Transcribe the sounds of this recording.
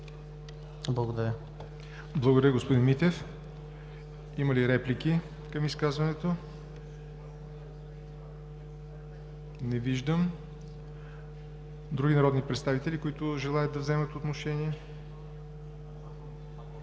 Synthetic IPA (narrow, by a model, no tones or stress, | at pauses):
blˠɐɡod̪ɐɾə | blˠɐɡod̪ɾəɡospod̪inmit̪ɛf | imɐliɾɛplik̟i | kəmiskazvɐnɛt̪o | nɛviʒd̪əm | d̪ɾuɡʲinɐɾɔd̪nipɾɛt̪st̪avit̪ɛlʲikʊit̪ʊʒɛlˠajət̪̚d̪ɐvzɛmət̪ot̪noʃɛniɛ